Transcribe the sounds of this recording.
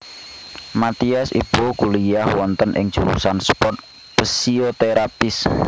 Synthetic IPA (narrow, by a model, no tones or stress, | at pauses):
mat̪iasḭb̥okulijahwɔnt̪ənʔɪ̰ŋ̥d͡ʒ̥uɾṵsanspɔrt̪̚ | pəsiot̪eɾapɪs